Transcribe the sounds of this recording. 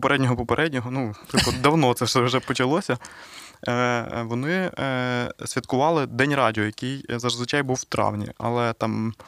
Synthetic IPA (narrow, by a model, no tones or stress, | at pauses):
peɾʔɛdʲnʲɔɦɔpɔpeɾʔɛdʲnʲɔɦɔnut̪ɪlkɔd̪ɐwnɔt̪sɛʃɛwʒɛpɔt͡ʃɐlˠɔsʲɐ | ʋɔnɪ | sʲʋʲit̪kʊʋɑlˠɪd̪ɛnʲrɑdʲiɔjɐkɪjzɐʐzʋɪt͡ʃɑjbuwt̪ɾɑ̰wnʲḭɐ̰lˠɛt̪ɑm